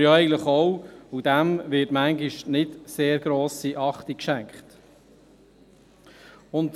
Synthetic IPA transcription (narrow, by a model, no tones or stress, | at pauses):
joɛɪɡən̩tləχowud̥æmʋɪtmæŋɡiʃnɪdseːɾɡɾoːsiʔɑχtikʃæŋkχt | ʊnt